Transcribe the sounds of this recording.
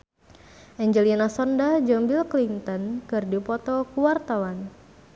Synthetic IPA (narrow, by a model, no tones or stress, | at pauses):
ʔɛɲd͡ʒəlinasɔndad͡ʒɔmbilklint̪ɔnkɨrdipɔt̪ɔkuwart̪awan